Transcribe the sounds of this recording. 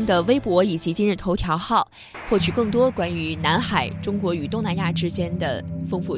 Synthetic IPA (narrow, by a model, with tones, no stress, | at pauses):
ŋd̪ə˨we˥ɪpwɔ˧˥i˨˩t͡ɕi˧˥t͡ɕi˥nɻ̩˥˩t̪ʰo˧˥ʊt̪ʰjɑ˧˥ʊxɑ˥˩ʊ | xwɔ˥˩t͡ɕʰy˨˩kɤ˥˩ŋt̪wɔ˥kwa˥ny˧˥na˧˥nxa˨˩ɪʈ͡ʂʊ˥ŋkwɔ˧˥y˨˩t̪ʊ˥˩ŋna˧˥nja˥˩ʈ͡ʂɻ̩˥t͡ɕjɛ˥nd̪ə̰˨fɤ˥ŋfu˥˩